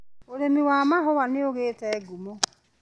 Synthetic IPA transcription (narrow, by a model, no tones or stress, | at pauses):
oɾemiwaːmaɦɔwaneoɣeːtɛːɡumo